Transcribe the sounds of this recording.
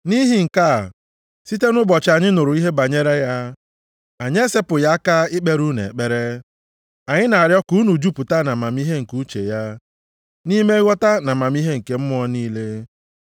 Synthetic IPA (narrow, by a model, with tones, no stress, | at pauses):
ni˦ɦi˨ŋ̩˨ka˦˨ | si˦te˦nʊ˦bɔ˨t͡ʃa˨ɲɪ˦nʊ˨ɾʊ˨i˦ɦe˦ba˨ɲe˦ɾe˦ja˦ | a˨ɲ˦e˦se˦pʊ˨ja˦ka˦ɪ˦k͡pe˦ɾu˦nḛ˨e˨k͡pe˦ɾe˦ | a˨ɲɪ˦na˨a˨ɾjɔ˦ku˨˦u˦nu˨d͡ʒu˦pu˨ta˦na˨ma˨m˦i˦ɦe˦ŋ̩˨ku˦t͡ʃḛ˨ja˦ | ni˦me˦wɔ˦ta˦na˨ma˨mi˦ɦe˦ŋ̩˨ke˨m̩˦mʊ˦ɔ˦niː˦le˦